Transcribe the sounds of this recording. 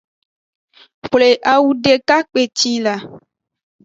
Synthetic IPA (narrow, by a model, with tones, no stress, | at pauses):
ɸle˨ʔa˨wu˦ɖe˨ka˦k͡pe˨t͡ɕi˦la˨